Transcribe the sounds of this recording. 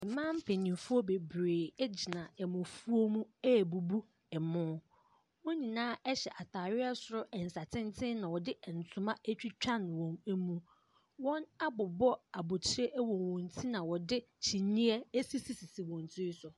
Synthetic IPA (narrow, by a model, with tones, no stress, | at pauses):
ɛ˨mãː˦m̩˦pʰe˨nĩ˨fu˦ɔ˦be˨bɾeː˨ɛ˦d͡ʑi˨nã˨ɛ˨mʊ̃˨fu˦o˦mũ˦ɛ˦˨bu˨bu˦ | ɛ˨mʊ̃˦ | wo˦nĩ˨nãː˦ɛ˦ɕɛ˨ʔa˨tʰaː˨ɾɪ˦a˦sʊ˨ɾʊ˦ɛ˨n̩˨sa˨tʰɪ̃˦n˦tʰɪ̃˦nã˨wɔ˨dɪ˦ʔɛ˨n̩˨tʰʊ̃˦mã˦æ˦t͡ɕᶣi˦t͡ɕᶣã˦˨nwɔ̃˨mæ˨mũ˨ | wɔ̃˦na˦bʊ˨bɔ˦a˨bʊ˨t͡ɕʰɪ˦ɾe˦ʔwɔ̃˨nwɔ̃˨n˨tʰi˦nã˨wɔ˨dɪ˦t͡ɕʰi˨nĩ˦ɛ˦æ˦si˦si˦si˨si˨wɔ̃˨n˨tʰi˦sʊ˨